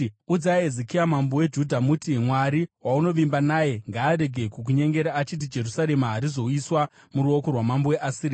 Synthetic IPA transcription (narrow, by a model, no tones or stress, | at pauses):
ud͡zaezikijamambowe̞d͡ʒudʱamutimwaɾiwauno̞ʋimbanaːje̞ŋɡaːɾe̞ɡʱe̞kuk̬uɲe̞ŋɡe̞ɾaːt͡ʃit̬id͡ʒe̞rusaɾe̞maɦaɾizo̞iswa | muɾuokorwamamboweʔasiɾi